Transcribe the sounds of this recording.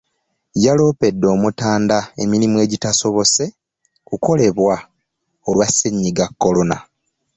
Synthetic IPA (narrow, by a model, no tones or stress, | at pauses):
jalo̞ːpe̞dːo̞ːmutaːndae̞̰miɾimue̞ːɟitaso̞βo̞se̞ | kuko̞le̞βwa | olwaseɲːiɡakːo̞lo̞na̰